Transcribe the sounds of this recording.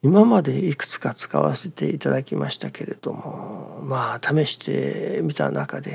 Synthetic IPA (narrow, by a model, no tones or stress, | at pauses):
imamad̪e̞ikɯ̟̥t͡sɨ̥kat͡sɨ̥ka̰βa̰se̞t̪e̞it̪ad̪akʲimaɕi̥t̪ake̞ɾe̞d̪̥o̞̰mo̞̰maːt̪ʰame̞ɕi̥t̪ʰe̞̰mʲit̪a̰nʔakad̪e̞